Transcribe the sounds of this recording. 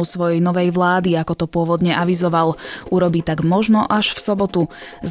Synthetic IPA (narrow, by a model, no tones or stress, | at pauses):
ʊsʋɔjɛjnɔʋɛjʋlaːd̪iakɔt̪ɔpʊɔʋɔd̪ɲɛʔaʋizɔʋalʔuɾɔbiːt̪aɡmɔʒnɔʔaʃfsɔbɔt̪u | z